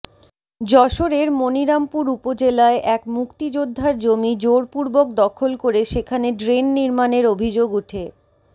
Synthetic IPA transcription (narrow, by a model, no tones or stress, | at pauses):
d͡ʑɔʃoɾeɾmoniɾampuɾupod͡ʑelaeʔɛkmukt̪id͡ʑod̪ʱːaɾd͡ʑomid͡ʑoɾpuɾbok̚d̪ɔkʰolkoɾeʃekʰaneɖɾenːiɾmaneɾobʱid͡ʑoɡuʈʰe